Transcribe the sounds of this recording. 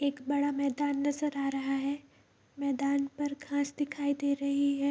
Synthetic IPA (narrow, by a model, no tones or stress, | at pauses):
eːkbɐɽamɛːd̪aːnːɐzəɾaːɾɐɦaɦɛː | mɛːd̪aːnpɐɾkʰãːsd̪ɪkʰaːid̪eːɾɐɦiɦɛː